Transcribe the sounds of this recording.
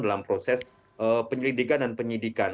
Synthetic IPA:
dalampɾosɛs | ʔəpəɲəlidikandanpəɲidikan

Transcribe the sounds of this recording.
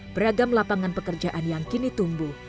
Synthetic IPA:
b̥əɾaɡamlapaŋanpəkərd͡ʒaʔanjaŋkinit̪umbu

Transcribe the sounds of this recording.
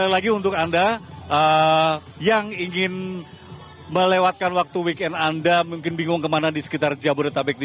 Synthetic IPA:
lalaɡiunt̪ʊkandaʔə | jaŋiŋɪn | məlewat̪̚kanwak̚t̪uwikɛnandamuŋkɪnbiŋɡʊŋkəmanadisə̥kit̪ard͡ʒabʊrɾt̪abɛk̚di

